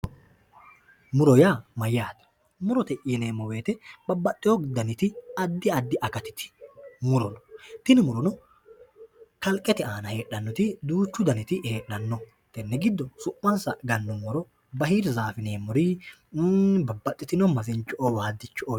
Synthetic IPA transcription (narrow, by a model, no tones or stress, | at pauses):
mʊɾɔjamɐjːaːt̪ɐ̥ | mʊɾɔt̪ɛʔːneːmɔwe̞ːt̪ɛbɐbːɐt̪ʼːɪjɔɡd̪ɐnɪt̪ɪɐd̪ːɪɐd̪ːɪʔɐkɐt̪ɪ̥t̪ɪ̥mʊɾɔnɔ̥t̪ɪnɪmʊɾɔnɔ | kɐlkʼːɛt̪ɛaːnɐhe̞ːɗɐnːɔt̪ɪd̪uːt͡ʃːʊd̪ɐnɪt̪ɪheːɗɐnːɔ | t̪ɛnːɛɡɪd̪ːɔsʊʔːɐnsɐɡɐnːɔmɔɾɔ | bɐhiːɾzaːfɪneːmɔɾi | bɐbːɐt̪ʼːɪt̪ɪnɔmɐzɪnt͡ʃːɔʔowaːd̪ːɪt͡ʃːʔo